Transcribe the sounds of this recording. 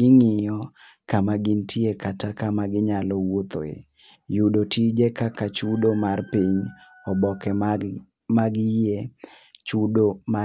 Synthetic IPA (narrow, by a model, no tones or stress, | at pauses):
ɪŋɪjɔ | kamaɡintiekatakamaɡɪɲalɔwot̪o̰ḛ | judotid͡ʒɛkakat͡ʃudomarpiɲ | ɔbɔkɛ | maɡje | t͡ʃudoma